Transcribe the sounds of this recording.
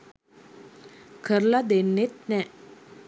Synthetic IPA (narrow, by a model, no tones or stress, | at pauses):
kʰəɾlad̪enːet̪̚nɛ